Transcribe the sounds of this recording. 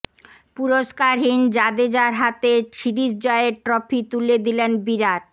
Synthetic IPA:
puɾoʃkaɾɦind͡ʑad̪ed͡ʑaɾɦat̪et͡ɕʰiɖid͡ʑd͡ʑɔeeɾʈɾɔpʰit̪uled̪ilenbiɾaɾ

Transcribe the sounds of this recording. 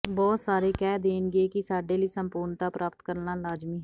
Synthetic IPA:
bɔːt̪saːɾeːkɛːd̪eːnɡeːkɪsaːɖeːliːsəmpʊɾnt̪aːpɾʔaːpət̪kəɾnaːlaːd͡ʒmiːɦ

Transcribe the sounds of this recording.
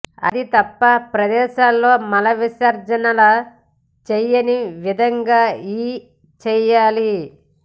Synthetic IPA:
ɐ̰d̪it̪ɐpːɐpɾɐd̪ɛːʃaːlːo̞ːmɐlɐʋiʃaːɾd͡ʒɐnɐlɐ | t͡ʃɛjɐniʋid̪ʱɐŋɡaːiː | t͡ʃɛːjaːli

